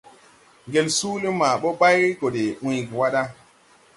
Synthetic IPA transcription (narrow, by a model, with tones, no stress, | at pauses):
ŋɡe˨lsuː˦li˦ma˨ɓɔ˦ɓa˦jɾi˦ko˨ɗe˨ʔũ˨jkwa˦ɗa˦